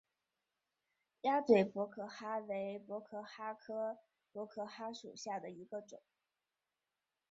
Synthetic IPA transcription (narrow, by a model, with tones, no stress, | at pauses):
ja˥t͡swe˨˩ɪpwɔ˧˥kʰɤ˥˩xa˥we˧˥ɪpwɔ˧˥kʰɤ˥˩xa˥kʰɤ˥ | pwɔ˧˥kʰɤ˥˩xa˥ʂṵ˨˩ɕja˥˩d̪ə˩i˧˥ɡə˧ʈ͡ʂʊ̰˨˩˦ŋ